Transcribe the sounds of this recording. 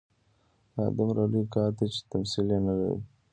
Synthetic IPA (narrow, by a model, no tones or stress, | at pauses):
ɑ̰ːd̪amɾalikɑːɾt̪et͡ʃe̥t̪amsilenala̰ɾḭ